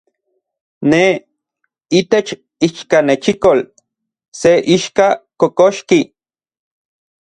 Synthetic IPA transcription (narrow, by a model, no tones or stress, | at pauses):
ne | it̪et͡ʃ | iʃkanet͡ʃikol | seʔiʃkakokoʃki